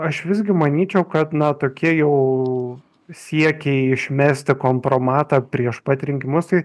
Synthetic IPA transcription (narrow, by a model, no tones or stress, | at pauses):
ɐʃʋʲɪzʲɡʲɪmɐnʲiːt͡ʃʲɛʊkɐt̪nɐt̪oːkʲiɛjɛʊ | sʲiɛkʲɛɪɪʃʲmʲæːsʲt̪ʲɪkoːmpɾoːmɑːt̪ɑːpʲɾʲiɛʃpɐt̪ʲɾʲɪŋʲkʲɪmʊst̪ɐɪ